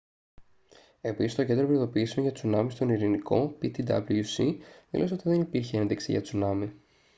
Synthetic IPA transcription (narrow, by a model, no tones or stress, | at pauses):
e̞pisist̪oced̪ɾopɾiðo̞piːsioʝɐt͡sunɐmist̪o̞niɾiniko̞pit̪id̪ɐ̰bluusiðḭlosot̪iðe̞nipiɾçee̞nðiksḭʝɐ̰t͡sunɐmi